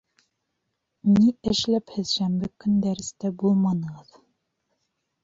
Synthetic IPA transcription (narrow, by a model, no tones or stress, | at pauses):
niɘ̆ʃlæphɘðʃæmbɘkɵnd̪æɾɘ̆st̪æbulˠmɑnɤ̆ʁɤð